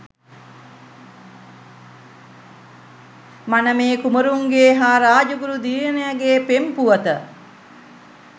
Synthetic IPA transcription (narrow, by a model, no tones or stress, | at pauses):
manəmeːkuməɾuŋɡeːɦaːɾaːd͡ʒuɡuɾud̪iːɾənejaɡeːpempuʋət̪ə